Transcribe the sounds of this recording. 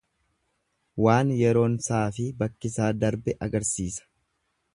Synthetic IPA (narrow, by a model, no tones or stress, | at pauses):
waːnjɛɾo̞ːnsaːfɪbɐkːɪsaːd̪ɐɾbɛʔɐɡɐɾsiːsɐ̥